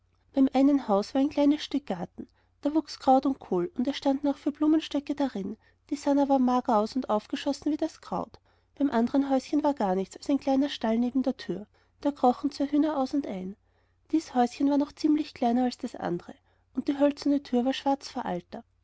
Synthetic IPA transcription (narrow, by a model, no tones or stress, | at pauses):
b̥æɪmʔaɪnənɦaʊsv̥aɐɛɪnkʰl̥aɪnəsʃtʏk̚ɡ̥aɐtn̩ | d̥aːvuːkskʁ̥aʊtʊnt̚kʰoːlʊndɛɐʃtandnɔχfyːɐb̥luːmənʃtœkəd̥aʁɪn | d̥iːsanɐvaːɐmaːɡɐaʊsʊntʔaʊfɡ̥əʃɔsn̩viːdaskʁ̥a̰ʊt | b̥æɪmʔandəʁənɦɔʏsçənvaːɐɡ̥aːɐnɪçt͡salsæɪnkl̥aɪnɐʃtalneːbm̩deːɐtʰyːɐ | d̥eːɐɡʁɔχn̩t͡svaːɐɦyːnɐʔaʊsʊntʔaɪn | d̥iːshɔʏsçənvaːɐnɔχt͡siːmlɪçkl̥aɪnɐalsd̥asʔa̰ndəʁə | ʔʊnt̚d̥iːɦœlt͡sɐnətʰyːɐvaːɐʃv̥aɐt͡sfɐʔa̰ltɐ